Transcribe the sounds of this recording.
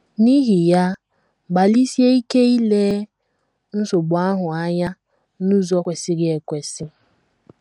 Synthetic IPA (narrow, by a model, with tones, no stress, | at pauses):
ni˦ɦi˨ja˦ | ɡ͡ba˨li˦sje˦i˦ke˦i˦le˦ | n̩˦so˨ɡ͡bʊ˨˦a˦ɦʊ˨a˦ɲa˦ | nu˦zɔ˦kʷe˨sɪ˦ɡɪ˦e˨kʷe˨sɪ˦